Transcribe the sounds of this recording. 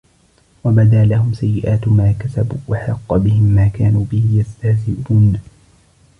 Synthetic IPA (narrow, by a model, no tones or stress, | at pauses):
wabad̪aːlahʊmsajːɪʔaːt̪maːkasabuːwʔaħɑqːɑbɪhɪmːaːkaːnuːbɪhɪjast̪ahzɪbuːn